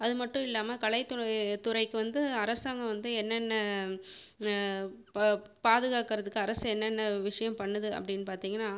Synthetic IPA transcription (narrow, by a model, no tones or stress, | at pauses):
ɐðɯmɐʈːʊ̃ɪlːaːmɐkɐɭɐɪt̪ːʊt̪ːʊɾɐɪkːɯʋɐnd̪ɯɐɾɐsaːŋɡɐʋɐnd̪ɯɛnːɛnːɐ | paːðɯɣaːkɪɾɐðɯkːɯɐɾɐsɛnːɛnːɐʋɪʂɐjɐmpɐɳːɐðɯɐ̰pːɐɽɪnːɯpaːɾt̪iːŋɡɐnːaː